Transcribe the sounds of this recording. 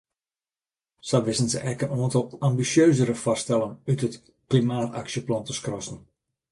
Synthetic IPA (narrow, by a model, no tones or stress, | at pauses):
saʋɪsənzə̰ʔɛkənoəntɔlˠambisjøːzəɾəfɔstɛlˠənytət | klimaːta̰ksjəplɔntəskrɔsn̩